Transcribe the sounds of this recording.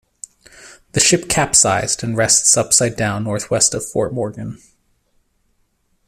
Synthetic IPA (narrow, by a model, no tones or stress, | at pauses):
ðɨʃɪp̚kʰæpsaɪzdɨ̃nɹɛstsʌpsaɪdãʊ̃nːɔɹθwɛstʌv̥fɔ̰ɹt̚mɔɹɡɨ̃n